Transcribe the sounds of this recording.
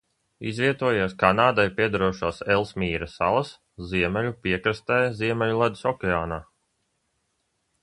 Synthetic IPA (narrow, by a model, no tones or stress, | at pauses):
izviɛt̪uɔjaskanaːd̪ajpʲiɛd̪aɾuɔʃaːselˠsmʲiːɾasa̰lˠs | ziɛmɛlʲupiɛkɾɨst̪ɛjziɛmʲɛlʲulˠad̪u̥sɔkʲeaːnaː